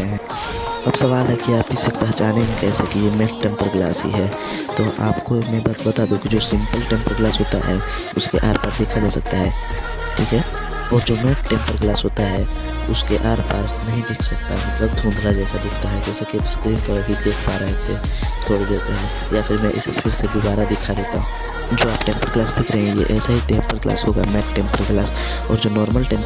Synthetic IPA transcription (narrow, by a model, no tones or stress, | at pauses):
ɦɛ̃ | ɐbsɐʋaːlɦɛkiaːpɪsekpɛɦɛt͡ʃaːnemẽkɛːsekijemɛʈ̚ʈɛ̃mpəɾɡla̰ːsɦḭɦɛː | t̪oːʔa̰ːpkomɛ̃b̪bɐt̪aːd̪ũkid͡ʒoːsɪ̃mpəlʈẽːmpəɾɡlaːsɦoːt̪a̰ɦɛ | ʊskeʔa̰ːɾpaːɾd̪eːkʰad͡ʒaːsɐk̚t̪aɦɛ | ʈʰiːkɦɛ | ɔːɾd͡ʒoːmɛʈʈɛ̃ːmpəɾɡlaːsɦoːt̪aɦɛ | ʊskeʔaːɾpa̰ːɾknɐɦĩd̪ɪkʰsɐk̚t̪a̰ɦɛmɐt̪ləb̚d̪ʱũːnd̪ʱɾad͡ʒɛːsad̪ɪkʰt̪aɦɛd͡ʒɛːsekiskɾiːnpəɾɐbʱid̪eːkʰpaːɾəɦet̪ʰet̪ʰoːɽed̪eːt̪eɦɛ | jafʰɪɾmɛ̃ʔɪsfʰɪlsed̪ʊbaːɾad̪ɪkʰad̪eːt̪aɦũ | d͡ʒoːaːpʈɛ̃ːmpəɾɡlaːsd̪ɪkʰɾəɦẽjḛʔɛːsaɦit̪eːpəɾɡla̰ːsɦoːɡa̰mɛːʈʈːɛ̃ːmpəɾɡlaːs | ɔːɾd͡ʒoːnɔːɾməlʈɛ̃ːm